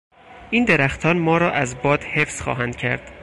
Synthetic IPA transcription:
ʔiːnd̪eɾæxt̪ʰɒːnmɒːɾɒːʔæzbɒːd̪̥hefsxɒ̰ːɦænd̪̥cʰæ̰ɾd̪̥

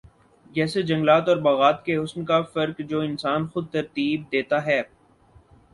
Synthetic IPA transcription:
jɛːsed͡ʒɐ̃ŋɡlaːt̪ɔːɾbɐɣaːt̪keɦʊsnkafɐɾkd͡ʒoːɪnsaːnxʊd̪̚t̪ɐɾt̪iːb̚d̪eːt̪aɦɛː

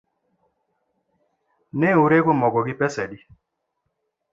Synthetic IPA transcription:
nɛuɾeɡomɔɡɔɡɪpɛsɛdi

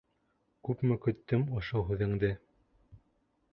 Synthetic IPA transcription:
kʉpmɘ̆kɵ̆t̪ːɵmŏʃoɦʉðɘ̆ŋd̪ɘ

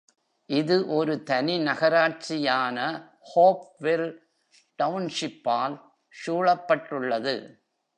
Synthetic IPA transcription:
ʔɪðɯʔɔɾɯt̪ɐnɪnɐɣɐɾaːɾ̚t͡ʃɪjaːnɐ | hoːp̚ʋɪl | ʈɐʋnʂɪpːaːl | ʂuːɭɐpːɐʈrɯɭːɐðɯ̰

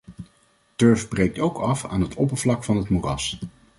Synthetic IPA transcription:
tøɹfbrejk̚towkɑfa̰ːnɦətʰɔpəɹvlɑkfɑnɦətmurɑs

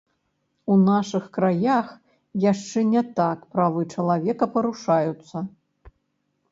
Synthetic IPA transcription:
unaʂɨxkɾajax | jaʂt͡ʂɛnʲɛt̪akpɾavɨt͡ʂɐlˠavʲɛkɐpɐɾuʂajut̪sːɐ

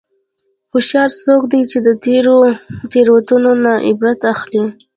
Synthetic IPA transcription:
xʊʃjɑɾsokd̪ajt͡ʃed̪ət̪eɾot̪eɾwat̪unonaʔɪbɾat̪axli

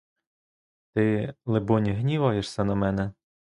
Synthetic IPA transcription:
t̪ɪlˠebɔnʲiɦnʲiʋɑjeʃsʲɐnɐmɛnɛ

